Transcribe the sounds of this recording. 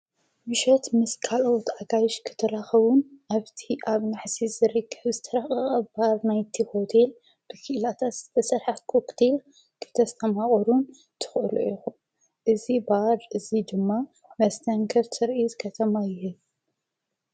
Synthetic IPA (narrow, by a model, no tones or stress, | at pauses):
mɨʃɐt̪mɨskʰalowt̪ʰaɡajʃkʰɨ̥t̪ʰɐɾaxɐβunʔaβt̪ʰiʔaβnaħsizɨɾɨkʰːɐβzɨt̪ʰɐɾaχʼɐɐβbaɾnajt̪ʰiho̞t̪ʰe̞l | b̥ɨkʰɨʔlat̪ʰat̪zɨt̪ʰɐsɨɾħat̪̚kʰokt̪ʰel | kʰɨ̥t̪ʰɐst̪ʰɐmaχʼɐɾun | t̪ʰɨ̥xʔɨlṵʔixu | ʔɨzibaɾʔɨzid̪ɨmːa | mɐst̪ʰɐŋkʰɐɾt̪ʰɨɾʔizɨkʰɐt̪ʰɐmajɪhɨl